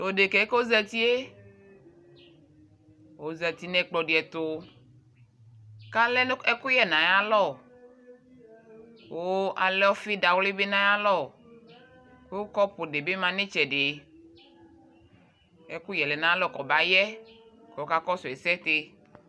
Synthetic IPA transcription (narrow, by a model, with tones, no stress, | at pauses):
o˨de˨ke˨˦ko˦zɛ˨t̪i˦e˦ | wo˨zɛ˨t̪i˨nɛ̃˨k͡plɔ˨de˨ɛ˨t̪o˨ | ka˦lɛ˦ɛ˦ku˦jɛ˨nã˨ja˦lɔ˦˨ | ko˦a˨lɛ˦ɔ˦fe˦da˨wle˦be˦nã˨˦ja˦lɔ˦˨ | ke˦o˦kɔ˦po˨ɖe˨be˦mã˨nẽ˦t͡ʃɛ˨de˨ | e˦ku˦jɛ˨lɛ˨nã˨˦lɔ˦kɔ˨ba˨jɛ˦ | kɔ˨o˦ka˦kɔ˦sɔ˨e˨sɛ˦t̪e˦